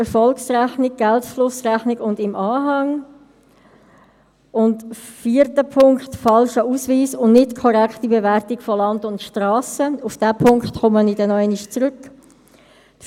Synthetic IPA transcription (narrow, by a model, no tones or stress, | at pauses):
ɛɾfɔlksræχnɪɡ̚ɡ̥ɛltflʊsræχnɪɡʊndɪmʔɑːɦɑŋ | ʊndfiːəɾtəpʰʊŋkχtfɑlʃəuːsviːsʊndnɪtkʰɔɾɛkχtibevɛɾtɪkfɔlɑndʊntʃtɾaːsəufd̥ɛpʰʊŋkχtχʊmənidɛnɔɛnɪʃt͡sɾʏk